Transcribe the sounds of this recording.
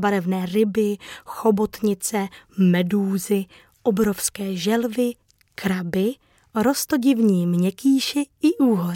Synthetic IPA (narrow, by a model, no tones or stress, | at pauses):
baɾɛvnɛːɾɪbɪxobot̪ɲɪt͡sɛmɛduːzɪ | ʔobɾo̞fskɛːʒɛlvɪ | kɾabɪ | ɾo̞st̪o̞ɟɪvɲiːmɲɛkiːʃɪɪʔuːɦoɾ